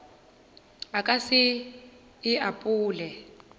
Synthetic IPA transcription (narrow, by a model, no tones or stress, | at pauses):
akʼasɪː | ʔapʼuːlɛ